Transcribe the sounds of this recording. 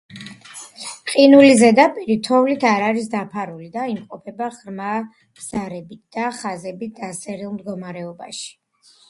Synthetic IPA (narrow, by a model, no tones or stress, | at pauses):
qʼinulizɛd̪apʼiɾit̪ʰɔvlit̪ʰaɾaɾis̬d̪apʰaɾulid̪aimqʼɔpʰɛbaʁɾma | b̥z̥aɾɛbit̪̚ʰd̪̥aχazɛbit̪̚d̪asɛɾilˠmd̪ɡɔmaɾɛɔbaʃi̥